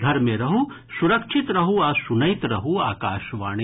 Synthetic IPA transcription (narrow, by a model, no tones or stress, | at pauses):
ɡ̪ʱɐɾmẽɾɐɦu | suɾɐkʃʰit̪ɾɐɦuaːsunɐjt̪ɾɐɦuaːkaːʃʋaːɽ̃i